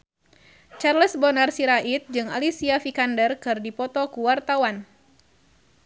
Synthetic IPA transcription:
t͡ʃarləsbɔnarsiɾaʔit̪̚d͡ʒɨŋalisiafikandərkɨrdipɔt̪ɔkuwart̪awan

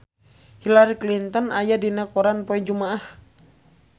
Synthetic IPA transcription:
hilaɾiklint̪ɔnajadinakɔɾanpɔɛd͡ʒumaːh

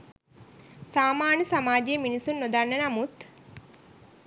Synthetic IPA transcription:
saːmaːnəsamaːd͡ʒejəminisunːod̪anːənamut̪

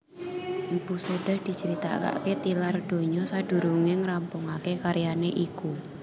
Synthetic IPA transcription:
mbuseɖahd̪̥i̤t͡ʃəɾit̪a̰ka̰ket̪ilard̥o̤ɲɔsaɖ̥ṳɾuŋeŋrampʊŋakekaɾjaneʔiku

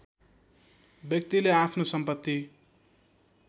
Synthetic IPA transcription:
bjʌk̚t̪ileapʰnosʌmpʌt̪ːi

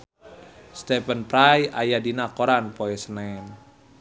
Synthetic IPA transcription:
st̪ɛpənpɾajajadinakoɾanpɔɛsənan

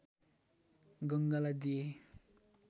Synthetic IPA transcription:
ɡʌŋɡalad̪ije

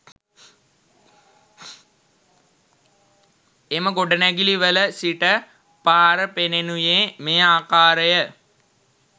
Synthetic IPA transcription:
eməɡoɖənæɡiliʋələsiʈə | paːɾəpenenujeːmeːaːkaːɾəjə

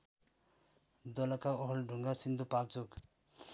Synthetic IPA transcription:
d̪ɔlʌkaɔɦɔlɖʱuŋɡasind̪upalt͡suk

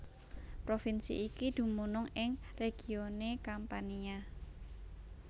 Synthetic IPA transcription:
pɾofinsḭʔikid̪̥ṳmunʊŋɪŋreɡ̥i̤onekampania

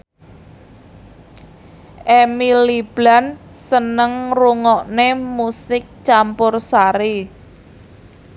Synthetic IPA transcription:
ʔemilib̥lansənəŋruŋɔʔnemusɪk̚t͡ʃampʊrsaɾi

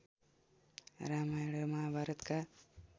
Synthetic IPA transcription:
ɾaːmajɽəmaabʱaɾət̪ka

